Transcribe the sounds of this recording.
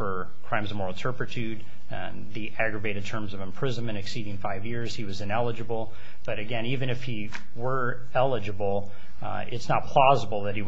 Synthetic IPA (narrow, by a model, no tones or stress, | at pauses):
fə˞ | kʰɹ̥ãɪ̃mzʌvmɔɹl̩ˠtʰɜ˞pɹɨtʰʉd̪̃̚ | nðiʔæɡɹɨveɪɾɨd̚tʰɜ̃˞mzʌvɨ̃m̩pʰɹ̥ɪz̃nmɨ̃ɾ̃ɨksiɾɪ̃ŋfaɪvjɪɹz̥iwʌzɨ̃nɛlˠəd͡ʒɨbl̩ˠ | b̥ʌɾɨɡɛ̃nivɨ̃ñɨfhi | wə˞ | ɛlˠəd͡ʒɨbl̩ˠ | ɪtsnət̚pʰl̥ɔzəbl̩ˠðɨt̚hi